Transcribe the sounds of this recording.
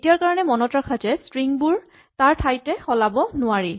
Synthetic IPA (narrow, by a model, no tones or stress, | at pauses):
etijaɹkaɹɔnɛmɔnɔtɹakʰazɛstɹiŋbuɹ | taɹtʰajtɛxɔlabɔnʊaɹi